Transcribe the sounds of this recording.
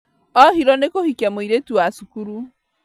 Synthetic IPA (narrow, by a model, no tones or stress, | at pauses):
ɔhiɾɔnekohikiamoiɾetuwasukuɾu